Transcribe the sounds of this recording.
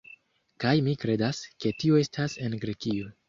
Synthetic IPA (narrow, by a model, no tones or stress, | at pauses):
kajmikɾe̞daske̞tio̞e̞stʰase̞nɡɾe̞kio̞